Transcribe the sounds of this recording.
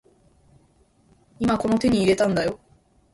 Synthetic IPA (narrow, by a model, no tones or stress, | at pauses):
imako̞not̪e̞ɲ̟iːɾe̞t̪ãnd̪ajo̞